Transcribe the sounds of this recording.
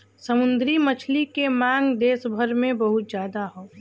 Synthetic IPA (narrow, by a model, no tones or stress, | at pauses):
səmʊ̃nd̪ɾimət͡ʃʰlikemãːŋɡd̪eːsbʱəɾmẽbɐɦʊt̪d͡ʒjaːd̪aɦoː